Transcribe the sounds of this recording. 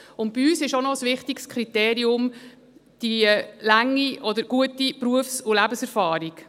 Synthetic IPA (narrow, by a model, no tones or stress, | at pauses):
ʊntb̥iyːsɪʃɔnɔsʋɪχtikskʰχɾiteːɾiʊm | d̥ilæŋːiʔɔd̪əɾɡ̥uətipɾuəfsulæbəsɛɾfɑːɾik